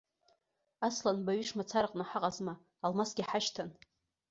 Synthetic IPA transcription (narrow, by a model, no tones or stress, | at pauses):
aslanbaɥiʂmat͡sʰaɾqʼnaħaqʼazmaː | lmasɡʲiħaʃtʰan